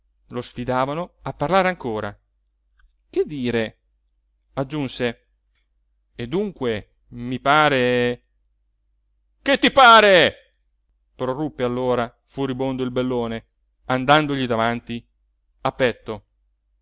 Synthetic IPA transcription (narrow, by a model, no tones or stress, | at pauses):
losfid̪aːvanoapːarlaːɾeaŋkoːɾa̰ | ked̪ːiːɾe | ad͡ʒːunse | ed̪uŋkwe | mipaːɾe | ket̪ːipaːɾe | pɾorupːealːoːɾa | fuɾibond̪oilbelːoːne | and̪and̪oʎid̪avant̪i | apːɛt̪ːo